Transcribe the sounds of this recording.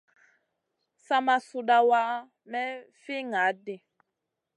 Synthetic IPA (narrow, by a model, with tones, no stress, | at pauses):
sa˦ma˨su˦da˦wa˦ | mɛ˦ | fi˦ŋa˨˦de˨